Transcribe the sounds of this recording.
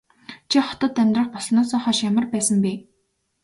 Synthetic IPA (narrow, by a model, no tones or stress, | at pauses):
t͡ɕʰiχɔ̥t̪ɞ̆t̪ːæmʲt̪rə̆χpɔsnɔːsɔːχɔːʃjamə̆rpæːsə̆mpiː